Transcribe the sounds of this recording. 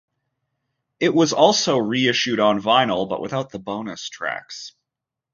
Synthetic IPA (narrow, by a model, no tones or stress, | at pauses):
ɪʔ̚wʌzɔlˠsoʊɹiɪʃʉɾn̩vãɪ̃nl̩ˠbʌ̰ʔwʔə̰θaʊt̪̚ðəbõʊ̃nɨstʰɹ̥æ̰ks